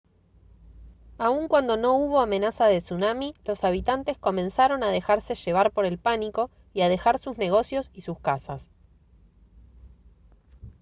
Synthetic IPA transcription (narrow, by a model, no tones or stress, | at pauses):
auŋkwand̪o̞no̞uβo̞ame̞nasaðesunamilo̞saβ̞it̪ant̪e̞sko̞mẽ̞nsaɾo̞nað̞e̞xaɾse̞ʃe̞β̞aɾpo̞ɾe̞lpaniko̞ | iaðe̞xaɾsuzne̞ɣ̞o̞sjo̞sisuskasas